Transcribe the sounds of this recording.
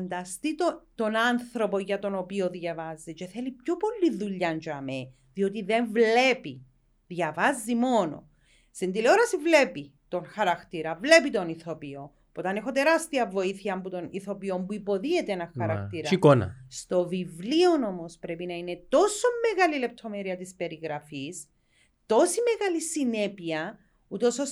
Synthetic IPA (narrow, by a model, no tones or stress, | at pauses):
nd̪ɐst̪it̪ot̪o̞nɐnθɾo̞po̞ʝɐt̪o̞no̞pio̞ðjɐvɐzit͡ʃe̞θe̞lipçopo̞lːiðuʎːɐnd͡ʒoɐme | ðio̞t̪iðe̞ɱvle̞pi | ðʝɐvɐzːimo̞no̰ | sind̪ileoɾɐsivle̞pit̪o̞ŋxɐɾɐkt̪iɾɐvle̞pit̪o̞niθo̞pio̞ | puot̪ɐne̞xot̪e̞ɾast̪iɐvo̞iθiçɐmbut̪o̞niθo̞pio̞mbuipo̞ðie̞t̪eenɐxɐɾɐkt̪iɾɐikonɐ̰st̪o̞vivlio̞no̞mospɾe̞pinɐine̞t̪o̞so̞mːeɣalile̞p̚t̪ʰo̞meɾiɐt̪ispe̞ɾiɣɾɐfis | t̪o̞sime̞ɣalisine̞piɐ | ut̪osos